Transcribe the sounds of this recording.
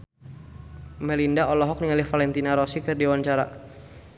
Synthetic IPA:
mɛlindaɔlɔɦɔk̚niŋalɪhfalɛnt̪inaɾɔsikərdewaɲt͡ʃaɾa̰

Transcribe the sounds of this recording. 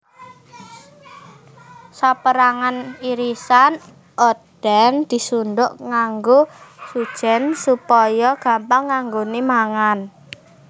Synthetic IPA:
sapəɾaŋaniɾisan | ʔod̥ɛnd̪̥i̤sund̪ʊʔŋaŋɡosud̥ʒ̥ɛ̤nsupɔjɔɡ̥a̤mpaŋːaŋɡonimaŋan

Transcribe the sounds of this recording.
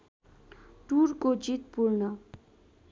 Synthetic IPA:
ʈuɾkod͡zit̪̚puɾnʌ

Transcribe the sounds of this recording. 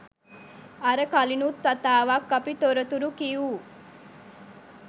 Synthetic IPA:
ɐɾəkɐlinut̪ːɐt̪aːʋakːɐpit̪oɾət̪uɾukiju

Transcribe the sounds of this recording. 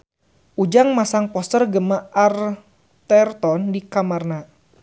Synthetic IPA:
ʔud͡ʒaŋmasaŋpɔst̪ərɡəmaar | t̪ɛrt̪ɔndikamarna

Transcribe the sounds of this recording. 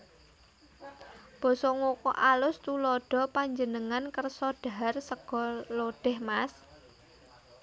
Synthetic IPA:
b̥ɔ̤sɔŋokɔʔalʊst̪ulɔɖ̥ɔ̤paɲd͡ʒənəŋankərsɔɖ̥a̤arsəɡ̥ɔ̤loɖ̥ɛ̤hmas

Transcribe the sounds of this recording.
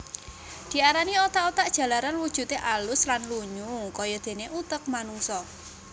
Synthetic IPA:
d̪̥i̤aɾaniot̪aʔot̪aʔd̥ʒ̥a̤laɾanwud̥ʒ̥ṳt̪eʔalʊslanluɲukɔjɔd̪̥e̤neʔut̪ək̚manuŋsɔ

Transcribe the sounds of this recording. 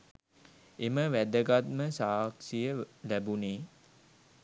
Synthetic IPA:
eməʋæd̪əɡat̪məsaːksijəlæbuneː

